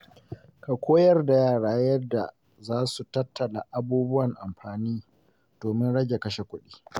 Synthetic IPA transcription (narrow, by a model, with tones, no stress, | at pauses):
ka˨kʷoː˦jɐ˦rda˨jaː˦˨ɽaː˦jɐ˦dːa˨ | zaː˦su˨tɐ˦tːɐ˨la˨ʔa˦buː˦bʊ˦wɐ˨ŋʔa˨mɸaː˨niː˦ | d̥oː˨mɪ˦nɽɐ˦ɡʲe˨kɐ˦ʃe˨kʷʊ˦ɗiː˦